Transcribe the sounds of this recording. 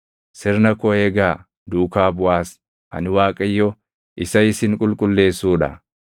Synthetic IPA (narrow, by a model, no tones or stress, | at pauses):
sɪɾnɐkɔeːɡaː | d̪uːkaːbʊwaːs | ʔɐ̰nɪwaːkʼɐjːɔ | ʔɪsɐɪsɪŋkʼʊlkʼʊlːe̞ːsːuːᶑɐ̰